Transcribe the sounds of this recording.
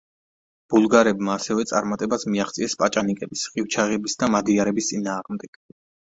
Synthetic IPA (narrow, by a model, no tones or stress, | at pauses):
b̥ulˠɡaɾɛbmaːsɛvɛt̪sʼaɾmat̪ʼɛbasmiaχt̪sʼiɛspʼat͡ʃʼanikʼɛbisχʼiwt͡ʃʰaʁɛbisd̪amad̪iaɾɛbist̪sʼinaːʁmd̪ɛɡ̥